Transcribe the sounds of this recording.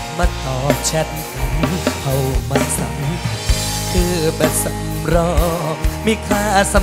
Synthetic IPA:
ma˧˩k̪ʰɔː˨˦t͡ɕʰɛ˧˥t̚ | ka˨˩npʰa˧˩wma˧nsa̰˨˦m˦ | kʰɯː˧˩bɛ˧˩nsa˨˦m | ɾɔː˧miː˧˩kʰaː˧˩sa˧˦

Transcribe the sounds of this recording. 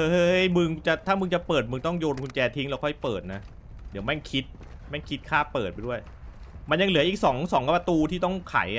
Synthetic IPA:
ʔɤː˧˦˥jmɯ˧ŋt͡ɕa˨˩t̪ʰaː˥˩mɯ˧ŋt͡ɕa˨˩pɤː˨˩t̪̚mɯ˧ŋt̪ɔ˥˩ŋjoː˧nkʰu˧nt͡ɕɛː˧t̪ʰi˦˥ŋlɛ˧wkʰɔ˥˩jpɤː˨˩t̪̚na˦˥ | di˨˩˦əwmɛ˥˩ŋkʰi˦˥t̪̚ | mɛ˥˩ŋkʰi˦˥t̪̚kʰaː˥˩pːɤː˨˩t̪̚pa˧jdu˥˩əj | ma˧nja˧ŋlɯ˩˦ɐʔiː˨˩k̚sɔː˩˦ŋsɔː˩˦ŋkpa˧t̪uː˧t̪ʰiː˥˩t̪ɔ˥˩ŋkʰa̰˩˦j

